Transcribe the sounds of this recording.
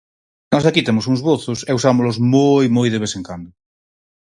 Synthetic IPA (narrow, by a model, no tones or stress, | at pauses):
nɔzakit̪emʊsuŋzβoθʊsɛusamolozmojmojðeβeseŋkand̪ʊ